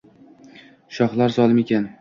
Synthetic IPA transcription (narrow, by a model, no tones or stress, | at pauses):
ʃɒχlˠaɾzɒlˠɪme̞kʲan